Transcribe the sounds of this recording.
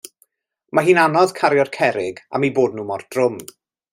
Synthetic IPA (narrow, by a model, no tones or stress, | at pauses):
maɦiːnanɔðkʰaɾjɔrkʰɛɾɪɡa̰miboːdnuːmɔrd̥rʊm